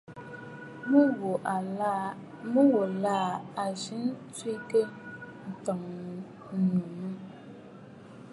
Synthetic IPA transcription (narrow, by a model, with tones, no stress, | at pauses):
mu˦wo˨ʔa˨˦ | mu˦wo˨laː˦˨a˨ʒi˨˦nt͡swi˦kə˦n̩˨ta˨ŋ˨ | n̩˨nu˨mɨ˦